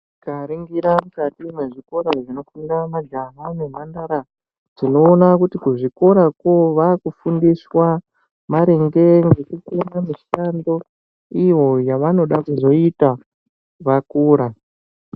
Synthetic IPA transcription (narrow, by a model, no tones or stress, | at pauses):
kaɾiŋɡiɾamukatimeʐiko̞ɾaʐino̞kunidamaɡaɦane̞mandaɾa | d͡zino̞ːnakutikuʐiko̞ɾakoʋakufundiswa | maɾeŋɡe̞ŋɡe̞kukenamiʃando̞ | iwo̞jaʋano̞ɗakuzo̞ita | ʋakuːɾa